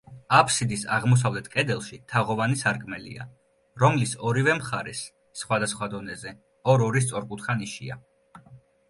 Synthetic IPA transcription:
apʰsid̪isa̰ʁmɔs̬avlɛt̪ʰkʼɛd̪ɛlˠʃit̪ʰaʁɔvanisaɾkʼmɛlḭa̰ | ɾɔmlisɔɾivɛmχaɾɛsː | χwad̪asχwad̪ɔnɛzɛ | ɔɾɔɾis̬t̪sʼɔɾkʼut̪ʰχaniʃia

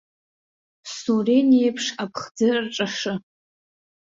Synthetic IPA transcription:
surenejpʰʂapʰχd͡zɨrrʈ͡ʂʼaʂɨ

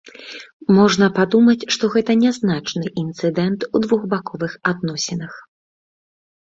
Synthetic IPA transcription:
mɔʐnɐpad̪umɐt͡sʲʂt̪ɔɣɛt̪ɐnʲɛznat͡ʂnɨʔint̪sɨd̪ɛnt̪ud̪vuɣbakɔvɨxad̪nɔsʲɛnɐx

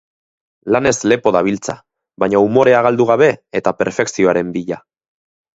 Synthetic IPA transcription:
lane̞zle̞po̞ðaβ̞ilt͡sa̰ | βaɲaumo̞ɾe̞aɣald̪uɣ̞aβe̞ːt̪ape̞ɾfe̞ksio̞aɾe̞mbiʎa

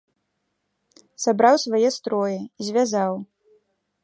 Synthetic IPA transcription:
sabɾawsvajɛst̪ɾɔjɛizʲvʲazaw

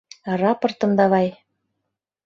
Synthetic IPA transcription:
rɑpɤ̆rt̪ɤ̆md̪ɑβɑj

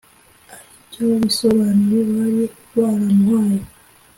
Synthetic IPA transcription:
aɾicoβisoβaːniɾeβaɾiokutwaːɾamwaːjo

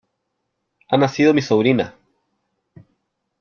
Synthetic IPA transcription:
anasiðomisoβɾina̰

